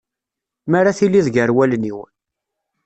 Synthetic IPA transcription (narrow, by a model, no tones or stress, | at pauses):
maɾaθilːiðʝəɾwælniw